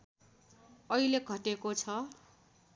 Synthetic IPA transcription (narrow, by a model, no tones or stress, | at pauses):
ʌileɡʱʌʈekot͡sʰʌ